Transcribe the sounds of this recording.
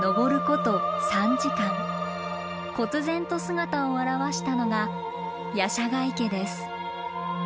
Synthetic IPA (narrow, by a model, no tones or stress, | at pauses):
no̞ɡo̞ɾɯ̟ko̞t̪o̞sãɲd͡ʑikãŋ | ko̞kɨzẽ̞nt̪o̞sɨɡat̪aoaɾaβaɕi̥t̪ano̞ɡa | jaɕaɡaike̞d̪e̞sɨ̥